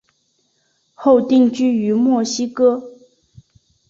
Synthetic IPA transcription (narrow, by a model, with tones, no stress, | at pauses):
xo˥˧ʊt̪i˥˧ŋt͡ɕy˥y˧˥mwɔ˥˩ɕi˥kɤ˥